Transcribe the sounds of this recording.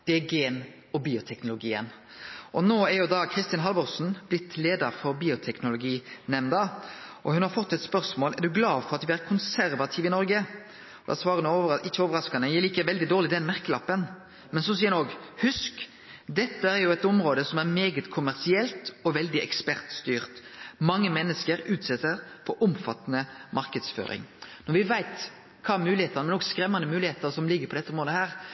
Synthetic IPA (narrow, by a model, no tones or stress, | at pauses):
d̪̥ɛɡeːn | ɔbiːʊt̪ʰɛknʊlʊɡiːə̰n | ʔɔnoːæɾjʊd̪ɑkʰɾɪst̪ɪɑnɦɑlbɔʁsn̩b̥lɪt̪ʰleːd̪ɑɾfɔɾbiːʊt̪ʰɛknʊlʊɡiːnɛmnd̪ɑʔɔhʉnhɑɾfɔt̪ːɛt̪spœɾsmoːlæ̰ɾd̪ʉɡlɑːd̪fɔʁɑt̪ʋɪæɾkʰʊnsæɾʋɑt̪ʰɪːʋɪnɔɾɡə | ɔd̪æ̰sʋɑːɾənəoʋɪçːəoːʋəɾɑskɑnəjɛliːkəʋɛld̪ɪd̪oːʁlɪd̪ɛnmæɾkəlɑpːən | mɛnsɔsiːnoɡhʉsk | d̪ɛt̪ːəæɾjʊɛt̪ɔmɾoːd̪əsɔmæɾmeːɡət̪kʰʊmæɾsɪɛlt̪ɔʋɛld̪ɪɛ̰kspæɾt̪st̪yːɾt̪mɑŋːəmɛnːəskəɾʉːt̪sɛt̪ːəɾfɔɾʔʊmfɑ̰t̪ːənəmʔɑɾkəd̪sfø̰ːɾɪ̰ŋnɔɾʋɪʋæɪt̪ | kʰɑːæɾmʉːlɪheːt̪ənəmɛnɔɡskɾɛmːɑnəmʉːlɪheːt̪əɾsɔmlɪɡːəɾpɔd̪ɛt̪ːəɔmɾoːd̪əhæːɾ